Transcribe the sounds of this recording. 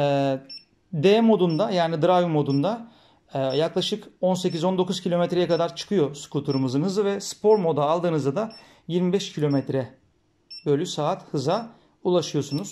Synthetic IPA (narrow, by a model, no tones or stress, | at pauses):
ɛː | d̪eːmo̞d̪und̪ajaːnid̪ɯɾajumo̞d̪und̪aː | jaklˠaʃɯko̞nse̞c̬izo̞nd̪o̞kuz̥cʰilʲo̞mɛt̪ɾejɛkʰad̪aɾt͡ʃʰɯ̥kʰɯjo̞su̥kʰut̪ʰuɾumɯzɯnɦɯzɯvɛspʰo̞ɾmo̞d̪aːlˠd̪ɯːnɯzd̪ad̪a | jiɾmibɛʃcʰilʲo̞mɛt̪ɾɛ | bø̞lʲysaːt̪hɯza | ulˠaʃɯjo̞sunuz̥